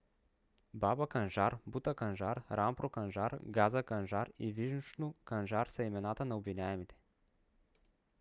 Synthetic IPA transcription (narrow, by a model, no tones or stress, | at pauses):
babɐkɐnʒaɾbut̪əkɐnʒaɾɾampɾokɐnʒaɾɡazɐkɐnʒaɾiviʒnut͡ʃnokɐnʒaɾsɐimɛnat̪ənɐobvinʲaɛmit̪ɛ̥